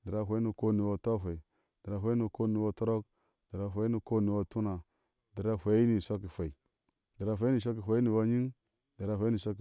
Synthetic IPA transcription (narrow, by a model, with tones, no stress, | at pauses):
di˨ɾa˦ɦʷa˦i˦ni˨ko˦ni˨wa˦to˦fʷa˨i˨ | dɾa˨ɦʷa˦i˦ni˨ko˦ni˨wa˦to˦ɾo˦k̚ | di˨ɾa˨ɦʷa˨˦i˦ni˨ko˦ni˨wa˦tu˦na˨ | di˨ɾa˦hʷa˨˦i˦ni˨sʷa˦ki˨fa˨i˨ | di˨ɾa˨fʷa˨˦i˦ni˨ʃ̬ʷa˦k̬i˨ɦʷa˨i˦ni˨wa˦ɲi˦ŋ | di˨ɾa˨ɦʷa˨˦ni˨sʷa˦k̬